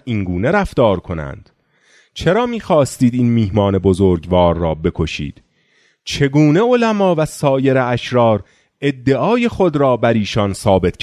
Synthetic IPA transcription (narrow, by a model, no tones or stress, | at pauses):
iŋɡuːne̞ɾæft̪ɒːɾkʰo̞næ̰nd̪̥ | t͡ʃʰe̞ɾɒːmiːxɒːst̪iːd̪iːnmiːhmɒːne̞bo̞zoːɾɡvɒːɾːɒːbe̞kʰo̞ʃḭːd̪̥ | t͡ʃʰe̞ɡuːneolæmɒːvæsɒːje̞ɾeæʃɾɒːɾ | e̞d̪ːe̞ʔɒːje̞xo̞d̪ɾɒːbæɾiːʃɒːnsɒːbe̞t̪ʰ